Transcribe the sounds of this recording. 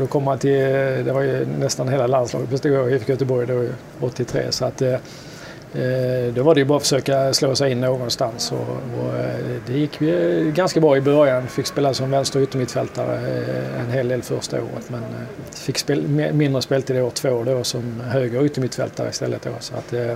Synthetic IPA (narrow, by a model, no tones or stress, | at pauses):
d̪ɔkʰɔmːəhant̪ʰɪld̪ɛvaɾjɵnɛst̪anɦeːlalanslɑ̰ːɡət̪bʰɛst̪aɡoːvɪfɪkjœt̪əbɔɾjd̪o | ɔt̪ːɪt̪ʰɾḛːsɔat̪ː | d̪ɔvaɖɛjʉbɑːfə̥ʂøːkasloːsɛɪɪnːoːɡɔnst̪ansɔ̰ɔd̪ɛjɪkʰːvɪɡanskabɾɑːɪbœɾjanfɪkːspeːlasɔmvɛnst̪əɾʉːt̪ːəmɪt̪fɛlt̪aɾə̰ɛ̰nɦeːld̪eːlfœɾʂt̪a̰o̰ːɾə̰t̪mɛn | fɪkːspeːmmɪnd̪ɾəspeːlt̪ʰɪld̪ɛoːt̪ʰvoːd̪osɔmɦøːɡəɾʉ̟ːt̪ːəɾmɪt̪fɛ̰lt̪a̰ɾə̰ɪ̰st̪ɛ̰lːə̰t̪̚d̪o̰sɔa̰t̪ː